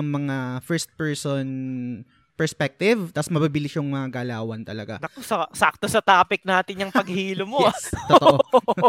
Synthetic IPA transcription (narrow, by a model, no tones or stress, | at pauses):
ɐŋmɐŋafɛɹst̪̚pɛɹson | pɛɹspɛk̚t̪ɪvt̪ɐsmɐbibɪlɪʃjʊŋmɐŋaɡɐlaːwɐnt̪ɐlɐɡa̰ɐsɐsak̚t̪osɐt̪aːpɪk̚naːt̪ɪnjɐŋpɐɡhiːlomot̪ot̪oʔo